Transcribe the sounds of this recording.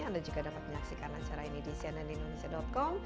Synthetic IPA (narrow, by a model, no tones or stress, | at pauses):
andad͡ʒuɡadapat̪̚məɲaksikanat͡ʃaɾainidisianadiindonesiadɔt̪̚kɔm